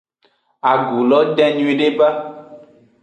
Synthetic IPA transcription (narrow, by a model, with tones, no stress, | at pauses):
a˨ɡu˨lɔ˦ɖɛ̃˦ɲũ˦ĩ˦ɖe˦ba˦